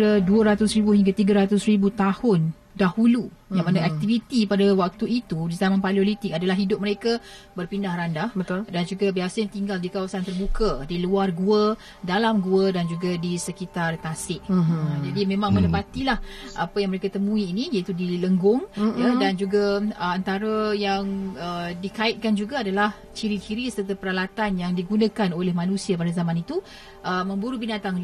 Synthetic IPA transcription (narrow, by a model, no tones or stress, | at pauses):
ɾəduəɾat̪ʊsɾibuɦiŋɡat̪iɡəɾat̪ʊsribut̪ahʊn | dahulujaŋmanaɛk̚t̪ivit̪ipadawak̚t̪uit̪udizamãnpaliolit̪ɪkadalaɦidʊp̚məɾeka | bərpindahrandahbət̪ʊldand͡ʒuɡabiasajaŋt̪iŋɡaldikawasant̪ərbukədiluarɡuə | dalamɡuədand͡ʒuɡadisəkit̪art̪asɪʔ̚d͡ʒadimẽmãŋmə̃nəpat̪ilahʔapəjaŋməɾekat̪əmũiːnijait̪udiləŋɡʊŋjadand͡ʒuɡaəant̪aɾəjaŋədikaɪt̪̚kand͡ʒuɡaːdalah | t͡ʃiɾit͡ʃiɾisəərt̪apəɾalat̪anjaŋdiɡunãkanolɛhmanũsiap̬adazamãnit̪u | ʔəmə̃mbuɾubinat̪aŋ